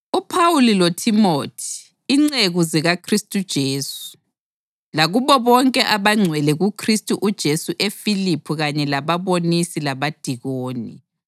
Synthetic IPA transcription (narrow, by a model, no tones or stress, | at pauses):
upʰawulilotʰimotʰi̥ː | ŋ͡ǀeɣuziɣakʰristʼud̥ʒ̥ʱeːsu̥ | laɣuβɔβɔŋkʼɛʔaβaŋ͡ǀʱwɛlɛɣukʰristʼuʔud̥ʒ̥ʱesuʔefilipʰuɣaɲɛlaβaβonisilaβad̥ʱiɣoːnḭ